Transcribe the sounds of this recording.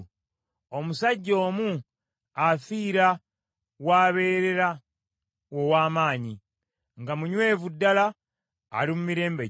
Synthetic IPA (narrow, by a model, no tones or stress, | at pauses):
omusaɟːo̞ːmu | afiːɾa | waːβe̞ːɾe̞ɾa | wowaːmaːɲi | ŋɡamuɲwe̞ːvudːala̰ː | limumiɾe̞ːmbe